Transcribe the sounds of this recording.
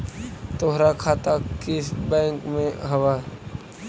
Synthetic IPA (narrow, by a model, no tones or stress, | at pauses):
t̪oɦɾakʰaːt̪akɪsbɛ̃ːŋkmẽɦɐwa